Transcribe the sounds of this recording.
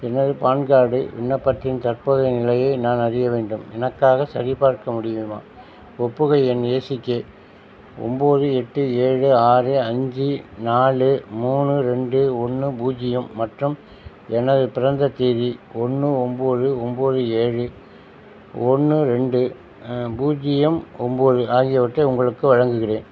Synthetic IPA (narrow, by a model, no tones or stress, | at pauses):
ɛnɐðɯpaːɳɡaːɽɯ̰ʋɪ̰ɳːɐpːɐt̪ːɪnt̪ɐrpoːðɐnɪlɐjɐɪnaːnɐrɪjɐʋeːɳɖɯmɛnɐkːaːɣɐsɐɾɪpaːɾkɐmʊɽɪjɯma̰ː | ɔpːɯɣɐɪɛneːsɪkːe | ɔ̰mboːðɯɛʈːɯeːɻɯaːɾɯɐɲd͡ʒinaːɭɯmuːɳɯɾɛɳɖɯɔɳːɯbuːd͡ʒɪjɐmːɐʈrɯm | ɛnɐðɯpɪɾɐnd̪ɐt̪ːiːðiɔnːɯɔmboːðɯɔmboːðɯeːɻɯ | ɔnːɯɾɛɳɖɯ | buːd͡ʒɪjɐmɔmboːðɯaːɣɪjɐʋɐʈrɐʊŋɡɐɭɯkːɯʋɐɻɐŋɡɯɣɪreːn